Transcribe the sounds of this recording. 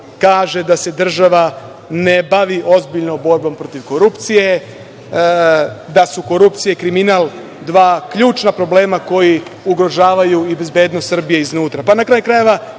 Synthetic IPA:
kaːʒe̞d̪ase̞d̪r̩ʒaʋa | nebaʋiʔo̞zbiʎnobo̞ɾbo̞mpɾo̞t̪iʋko̞ɾupt̪sije̞ | d̪asuko̞ɾupt̪sijeikɾiminaːlˠ | d̪ʋaːkʎuːt͡ʃnapɾo̞ble̞ːmako̞jiuɡɾo̞ʒaːʋajuibe̞zbe̞ːd̪nost̪ːr̩bijeiznuːt̪ɾapanakɾaːjkɾaje̞ʋa

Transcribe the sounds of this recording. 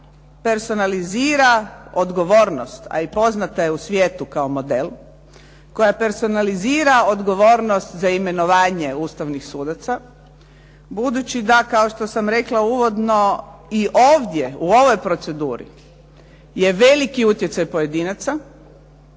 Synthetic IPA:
pe̞ɾso̞naliziːɾaod̪ɡo̞ʋo̞ːɾnost̪a̰ipo̞znat̪ajeusʋjeːt̪ukao̞mo̞d̪e̞l | ko̞jape̞ɾso̞naliziːɾaod̪ɡo̞ʋo̞ːɾnost̪zaime̞no̞ʋaːɲe̞uːst̪aʋnixsuːd̪at̪sa | bud̪ut͡ɕid̪akao̞ʃt̪o̞samɾe̞klauːʋo̞d̪no̞iʔoːʋd̪ʲje̞uo̞ʋo̞jpɾo̞t̪se̞d̪uːɾḭ | je̞ʋe̞likiut̪je̞t̪sajpoje̞d̪iːnat̪sa

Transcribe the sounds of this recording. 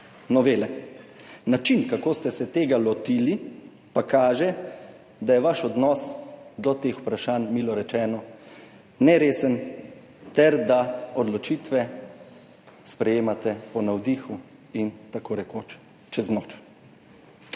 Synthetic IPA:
nɔʋeːlɛ | nat͡ʃinkakoːst̪ɛsɛt̪eːɡalɔt̪iːli | pakaːʒɛ | d̪ajɛʋaʃɔd̪nɔsd̪ɔt̪eːxupɾaʃaːnmiːlɔɾɛt͡ʃɛːnɔ | nɛɾeːsən | t̪ɛɾd̪aɔd̪lɔt͡ʃiːt̪ʋɛ | spɾɛjeːmat̪ɛpɔnawd̪iːxu | int̪akoːɾɛkoːt͡ʃ | t͡ʃɛznoːt͡ʃ

